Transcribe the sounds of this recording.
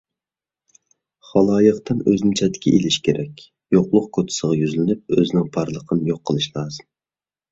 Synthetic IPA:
χɑlˠɑːjəqt̪ɨnøznɪŋt͡ʃʰɛt̪ʰːɪkʲʰɛ̰ʔelɪʃkʲʰeɾʔɛkʲ | joqlˠʊq̚kʰot̪ʰɪ̥səʁɑjyzlɪnyp̚øzɪnɪŋpʰɑɾlˠəqʰənjoqʰːəlˠɨʃlˠɑːzɨm

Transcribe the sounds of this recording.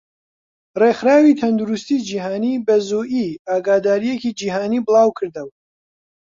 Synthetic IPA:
rexɾaːwit̪ʰɐnd̪uɾust̪id͡ʒiːɦaːniːbɐzuʔiːaːɡaːd̪aːɾijecid͡ʒiːɦaːniːbɨlˠaːwkʰɨɾd̪əw

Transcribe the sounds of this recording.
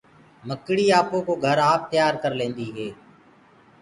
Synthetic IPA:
məkɽiːaːpõːkoːɡʱəɾaːp̚t̪jaːɾkəɾlẽːnd̪iːɦeː

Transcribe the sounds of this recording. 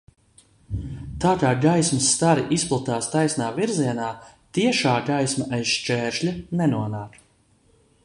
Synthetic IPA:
t̪aːkaːɡajsmsːt̪aɾiʔisplˠat̪aːst̪ajsnaːviɾziɛnaː | t̪iɛʃaːɡajsmaʔajsʃt͡ʃɛːɾʃlʲanɛnuɔnaːk

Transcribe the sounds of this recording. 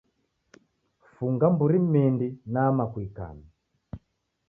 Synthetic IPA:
fuŋɡambuɾimindinamakwika̰mi

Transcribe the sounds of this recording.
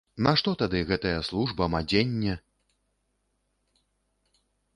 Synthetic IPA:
nɐʂt̪ɔt̪ad̪ɨɣɛt̪ɐjɐslˠuʐbɐmad͡zʲenʲːɛ

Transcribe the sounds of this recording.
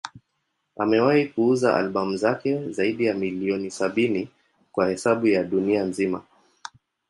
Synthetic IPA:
a̰mɛwahikuuzaʔa̰lɓamuzakɛzaiɗijamiliɔnisaɓini | kwahɛsaɓujaɗunianzima̰

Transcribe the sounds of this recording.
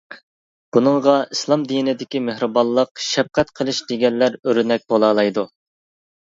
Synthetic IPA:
b̥unɨŋʁɑʔislˠɑmd̪inɪd̪ɪkʲimehɾɨbɑlˠːəqʃɛp̚qɛt̪qʰəlˠɨʃd̪eɡʲɛnːæɾøɾnɛk̚ʲbolˠɑːlˠɑjd̪u

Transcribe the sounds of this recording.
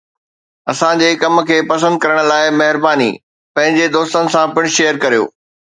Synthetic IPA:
ɐsãd͡ʑeːkɐm̆kʰeːpɐs̬ə̃nd̪̚kɐɾəɽ̃̆laːɪmɐɦɪɾbaːnḭː | pɐ̃ɦɪ̃ɲd͡ʑed̪oːst̪ənɪ̆sãpɪɽ̃̆ʃeːəɾkɐɾijo̰ː

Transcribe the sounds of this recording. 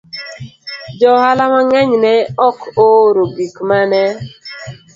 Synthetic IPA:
d͡ʒɔhalamaŋɛɲnɛɔkoɾoɡikmanɛ

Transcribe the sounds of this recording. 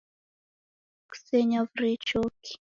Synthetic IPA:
ku̥seɲavɾet͡ʃoki̥

